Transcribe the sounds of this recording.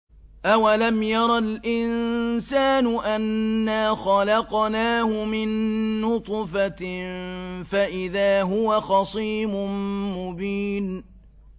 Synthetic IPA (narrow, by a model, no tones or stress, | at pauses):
ʔawalamjɑɾˤɑlʔɪnsaːnʊʔanːaːxɑlɑqnaːhʊmɪnːʊt̪ˤfa | faʔɪðaːɦʊwaxɑsˤiːmʊmʊbiːn